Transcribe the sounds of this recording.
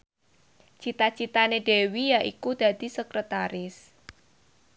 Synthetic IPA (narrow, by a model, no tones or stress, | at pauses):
t͡ʃit̪at͡ʃit̪aneɖ̥e̤wijaʔḭkud̪̥ä̤d̪̥i̤səkɾət̪aɾɪs